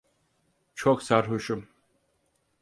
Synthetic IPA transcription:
t͡ʃʰoksaɾɦuʃum

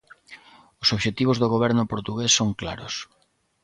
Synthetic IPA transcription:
ʊsoβʃet̪iβ̞ʊzðoɣ̞oβɛɾnʊpoɾt̪uɣesːoŋkla̰ɾʊ̰s

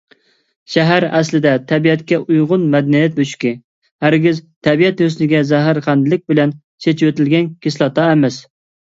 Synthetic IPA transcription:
ʃæɦæɾæslɪd̪ɛt̪ʰɛbiɛt̪kʲɛʔujʁʊnmɛd̪ɛnijɛt̪̚boʃi̥kʲɪ | hæɾɡʲɪzt̪ʰɛbijɛt̪jøslɪɡʲɛzæɦɪɾqænd̪ɨlɪk̚ʲbɪlɛn | t͡ʃʰet͡ʃʰwøt̪ɪlɡʲɛnkʲɪslˠɑt̪ʰɑɛmɛs

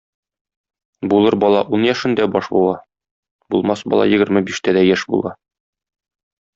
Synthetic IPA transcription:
bulˠɤɾbɒlˠɑʔunjæʃɘ̆nd̪æbɒʃbṵlˠɑ | bulˠmɑsbɒ̰lˠɑ̰jɘ̆ɡɘ̆ɾmɘbiʃt̪æd̪æjæʃbṵlˠɑ

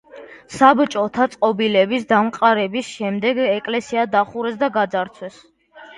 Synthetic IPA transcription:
sabt͡ʃʼɔt̪ʰat̪sʼqʼɔbilɛbisd̪amqʼaɾɛbisʃɛmd̪ɛɡɛkʼlɛsiad̪aχuɾɛs̬d̪aɡad̪zaɾt̪sʰwɛs

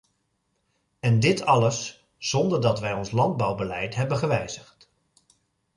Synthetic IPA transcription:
ɛndɪtɑləsː | ɔndəɹdɑtʋɛjɔnslɑnd̚bɑwbəlɛjtɦɛbəχəʋɛjzəχt

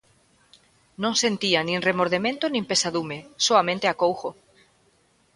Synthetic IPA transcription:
nõŋsent̪ianĩŋremoɾð̞emẽnt̪onĩmpesaðumesoamẽnt̪eakowxo

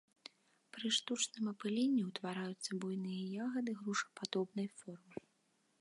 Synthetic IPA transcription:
pɾɨʂt̪ut͡ʂnɨmɐpɨlʲenʲːiwt̪vaɾajut̪sːɐbujnɨjɐjaɣɐd̪ɨɣɾuʂɐ̥pad̪ɔbnɐjfɔrmɨ

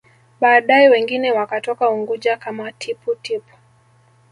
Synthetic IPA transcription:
ɓaːɗaɛwɛŋɡinɛwakatɔkauŋɡuʄakamatʰiputipu̥

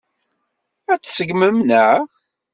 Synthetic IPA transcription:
æt͡sːsəɡməmnəʁ

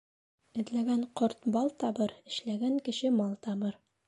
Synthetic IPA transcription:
ɘ̆ðlæɡæɴqoɾt̪bɑlˠt̪ɑbɤɾɘ̆ʃlæɡæŋkɘ̆ɕɘmɑlˠt̪ɑbɤɾ

